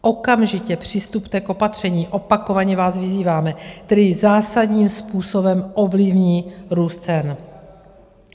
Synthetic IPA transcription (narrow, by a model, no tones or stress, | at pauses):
ʔo̞kamʒɪcɛpr̝̥ɪst̪upt̪ɛkopat̪r̝̥ɛɲiːʔo̞pako̞vaɲɛvaːzvɪziːvaːmɛt̪ɛdɪzaːsadɲiːmspuːso̞bɛmʔo̞vlɪvɲiːɾuːst̪t͡sɛn